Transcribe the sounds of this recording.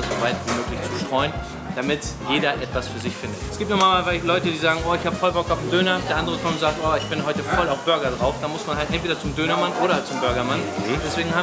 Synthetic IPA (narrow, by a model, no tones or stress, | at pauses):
zovaɪtviːmøːklɪçt͡suːʃtʁ̥ɔʏən | d̥amɪtjeːdɐʔɛtv̥asfyːɐzɪçfɪndətɛsɡ̥iːp̚tnʊːmaːmaːfaɪçtlɔʏtədiːzaːɡŋ̩ʔoːɪçhaːbəfɔlbɔkaʊfm̩døːnɐd̥eːɐandəʁəkʰɔmtz̥aːk̚tʔoːɪçb̥ɪnɦɔʏtəfɔlaʊfb̥ʏɐɡɐdʁaʊfd̥aːmʊsmanhaltʔɛntv̥eːdɐt͡sʊmdøːnɐmanʔoːɾɐt͡sʊmbʏɐɡɐmand̥ɛsv̥eːɡŋ̩haː